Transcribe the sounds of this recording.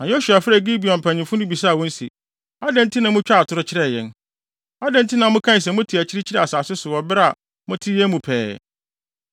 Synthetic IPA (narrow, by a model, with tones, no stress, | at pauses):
nã˨jo˦su˨a˨fɪ˦ɾæ˨ɡi˦bi˨ɔ̃˨m˨pʰæ̃˨ɲɪ̃˨fʊ˦nʊ̃˦bi˨sa˦˨wɔ̃˦n̩˦sḭ˨ | a˦dɛ̃˦n˦tʰɪ˦nã˦mʊ̃˦t͡ɕᶣa˦˨tʰʊ˨ɾʊ˦t͡ɕʰɪ˦ɾɛ˦˨jɛ̰̃˨n | a˦dɛ̃˦ntʰɪ˦nã˨mʊ̃˦kʰã˦˨s̬ɛ˨mʊ̃˦tʰi˨æ˨t͡ɕʰɪ˦ɾɪ˦t͡ɕʰi˦ɾɛ˦˨a˨saː˨sɪ˦sʊ˨wɔ˨bɪ˦ɾa˨ | mʊ̃˦tʰi˦jɛ˦mũ˨pʰɛ̰ː˨